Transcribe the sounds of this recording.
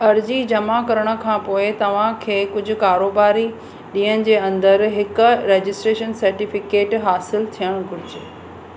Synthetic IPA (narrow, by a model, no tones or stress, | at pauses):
ɐɾd͡ʑid͡ʑɐmakɐɾəɽ̃ə̆kʰãːpoːɪt̪ɐʋ̤ãkʰeːkʊd͡ʑʱʊ̆kaːɾoːbaːɾi | ɗiːəñɪ̆d͡ʑeːɐ̃nd̪əɾɦɪkʊ̆ɾeːd͡ʑɪsʈɾeːʃənsɐɾʈifɪkeːʈɦaːsɪlt̪ʰijəɽ̃ɡʱʊɾɪd͡ʑeː